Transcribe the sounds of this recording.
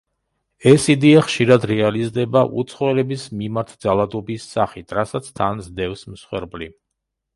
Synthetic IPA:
ɛsid̪iaχʃiɾad̪ɾɛalizd̪ɛbaʔṵt̪sʰχɔɛlɛbismimaɾt̪ʰd̪zalˠad̪ɔbisːaχit̪ʰɾasat̪sʰt̪ʰanzd̪ɛfsmsχwɛ̰ɾbli

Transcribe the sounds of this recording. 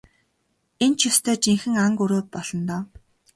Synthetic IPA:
ent͡ɕʰjʊst̪ʰœːt͡ɕiŋxɘ̆ŋaŋkuɾoːpɔɮ̥ɞ̆nt̪ɔː

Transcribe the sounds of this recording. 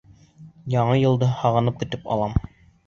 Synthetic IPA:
jɑɴɤjɤ̆lˠd̪ɤhɑʁɤ̆nɤp̚kɵ̆t̪ɘpɑ̰lˠɑm

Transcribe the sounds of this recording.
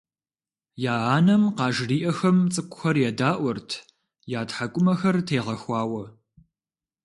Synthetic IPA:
jaːaːnɐmqɑːʒriːʔɐxɐmt͡sʼɨkʷʼʊxɐrjɛdaːʔʷɔrtʰ | jaːtħakʷʼʊmɐxɐrtʰeːʁɐxʷɑːwɐ

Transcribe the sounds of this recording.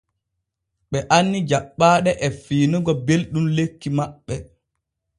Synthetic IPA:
ɓɛʔanːid͡ʒaɓːaːɗɛʔɛfiːnuɡɔbelɗumlekːimaɓːɛ

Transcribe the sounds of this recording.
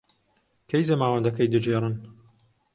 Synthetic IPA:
kʰejzɐmaːwɐnd̪ɐkɐjd̪ɨd͡ʒerɨn

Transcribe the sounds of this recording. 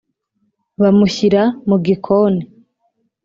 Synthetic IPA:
βamuçiɾamuɡikʰoːni

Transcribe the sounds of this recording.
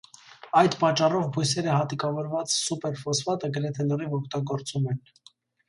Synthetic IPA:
ɑjd̪pɑt͡ʃːɑrɔvbujsɛɾəhɑt̪ikɑvɔɾvɑt͡ssupɛɾfɔsfɑt̪əɡəɾɛt̪ʰɛləɾivɔkʰt̪ɑɡɔɾt͡sumɛn

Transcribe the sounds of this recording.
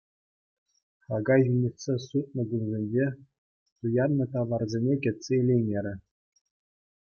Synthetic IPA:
χɑɡɑjʒynʲesʲesut̪̚ʼnɤ̆ɡʲunzʲenʲd͡ʑe | t̪ujɑd̪nɤ̆t̪ɑʋɑrzʲenʲekʲĕt̪ʲsʲeelʲejnʲeɾʲɘ̆

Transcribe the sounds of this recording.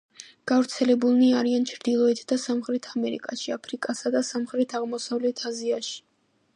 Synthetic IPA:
ɡ̥avɾt̪sʰɛlɛbulˠniaɾiant͡ʃʰɾd̪ilˠɔɛt̪ʰd̪asamχɾɛt̪ʰamɛɾḭkʼaʃiapʰɾikʼasad̪asamχɾɛt̪ʰaʁmɔsavlɛt̪ʰaziaʃi̥

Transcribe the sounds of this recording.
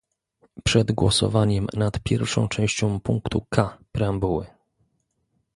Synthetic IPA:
pʂɛd̪ɡwɔsɔ̰vaɲɛmnat̪pʲjɛɾfʂɔ̃w̃t͡ʂɛ̃w̃ɕt͡ɕɔ̃puŋkt̪ukʰapɾɛambuwɘ̰

